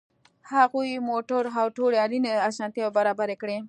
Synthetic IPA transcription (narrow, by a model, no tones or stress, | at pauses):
haɣujmoʈʊɾɦawʈoɽeɑlineasɑnt̪jabaɾɑbaɾekɽe